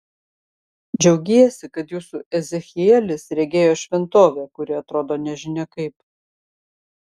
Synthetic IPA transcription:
d͡ʒʲɛʊɡʲeːjɛsʲɪkɐt̪juːsuʔɛzʲɛxʲɪɛlʲɪsɾʲɛɡʲeːjoːʃʲʋʲɛnt̪oːʋʲɛːkʊɾʲɪɐt̪ɾoːd̪oːnʲɛʒʲɪnʲɛkɐɪp

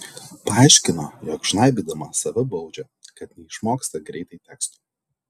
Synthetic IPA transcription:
pɐɑˑɪʃʲkʲɪnojoːkʒ̥ɪnɐˑɪbʲid̪ɐmɑsɐʋʲɪbɒʊd͡ʒʲɛ | kɐt̪nʲɛɪʃmoːkst̪ɐɡɾʲɛɪt̪ɐɪt̪ʲɛːkst̪u̥

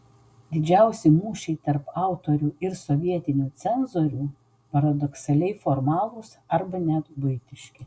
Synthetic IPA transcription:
d̪ʲɪd͡ʒʲɛˑʊsʲɪmuːʃʲɛɪt̪ɐɾpɑˑʊt̪oːɾʲuːɪɾsɔʋʲiɛt̪ʲɪnʲuːt̪sʲɛnzoːɾʲuː | pɐɾɐd̪ɔksɐlʲɛɪfoɾmɑːlˠʊsɐɾbɐnʲɛt̪bʊɪt̪ʲɪʃʲkʲɪ

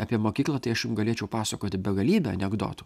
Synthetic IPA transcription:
ɑːpʲiɛmoːkʲiːklˠɑt̪ɐɪɐʃjʊmɡɐlʲeːt͡ʃʲɛʊpɑːsɐkoːt̪ʲɪbʲɛɡɐlʲiːbʲɛɐ̰nʲɛɡd̪o̰ːt̪ʊ̥

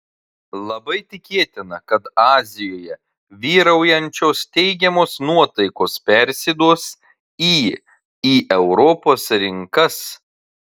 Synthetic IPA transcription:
lˠɐbɐɪt̪ʲɪkʲeːt̪ʲɪnɐkɐt̪ɑːzʲɪjoːjɛ | ʋʲiːɾɐʊjɛnʲt͡ʃʲoːst̪ʲɛɪɡʲɛmoːsnuɔt̪ɐɪkoːspʲɛɾʲsʲɪd̪uːs | iː | iːʔɛʊɾɔpoːsɾʲɪŋkɐs

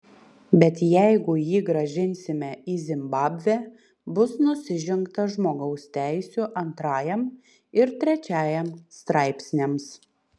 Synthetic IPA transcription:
bʲɛt̪jæɪɡʊjiːɡɾɐʒʲɪnʲsʲɪmʲɛʔiːzʲɪmbɑːbʲʋʲæː | bʊsnʊsʲɪʒʲɪŋkt̪ɐʒmoːɡɐʊst̪ʲæˑɪsʲuːʔɐnt̪ɾɑːjɛm | ɪɾt̪ʲɾʲɛt͡ʃʲæːjɛmst̪ɾɑˑɪpʲsʲnʲems

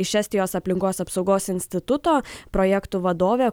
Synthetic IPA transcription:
ɪʃæːsʲt̪ʲɪjoːsɐpʲlʲɪŋkoːsɐpsɒʊɡoːsɪnʲsʲt̪ʲɪt̪ʊt̪oːpɾɔːjɛkt̪uʋɐd̪oːʋʲe

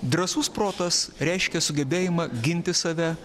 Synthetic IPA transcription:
d̪ɾɐsuːspɾoːt̪ɐsɾʲɛɪʃʲkʲɛsʊɡʲɛbʲeːjɪmɐɡʲɪnʲt̪ʲɪsɐʋʲɛ

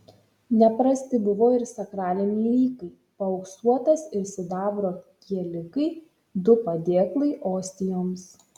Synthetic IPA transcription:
nʲɛpɾɐsʲt̪ʲɪbʊʋoːɪɾsʲɐkɾɑːlʲɪnʲilʲiːkɐɪ | pɐɔʊksuɔt̪ɐsɪɾsʲɪd̪ɑːbɾoːkʲiɛlʲɪkɐɪ | d̪ʊpɐd̪ʲeːklˠɐɪʔoːsʲt̪ʲɪjoːms

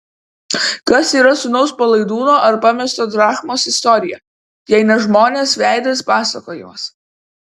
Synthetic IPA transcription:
kɐsiːɾɐsʊnɔʊspɐlˠɐɪd̪uːnoːʔɐɾpɐmʲɛst̪oːd̪ɾɑːxmoːsɪst̪ɔɾʲɪjɛ | jɛɪnɐʒmoːnʲeːsʋʲæˑɪd̪ɐspɑːsɐkoːjɪmɐs

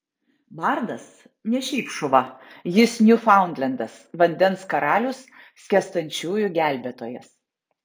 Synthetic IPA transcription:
bɑɾd̪ɐs | nʲɛʃʲɛɪpʃʊʋɐ | jɪsnʲʊfɑˑʊnd̪ʲlʲɛnd̪ɐsʋɐnʲd̪ʲɛnskɐɾɑːlʲʊsːʲ | kʲɛst̪ɐnʲˑt͡ʃʲuːjʊɡʲæˑlʲbʲɛt̪oːjɛs

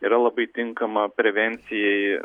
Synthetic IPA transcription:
iːɾɐlˠɐbɐɪt̪ʲɪŋkɐmɐpʲɾʲɛʋʲɛnʲt̪sʲɪjɛɪ

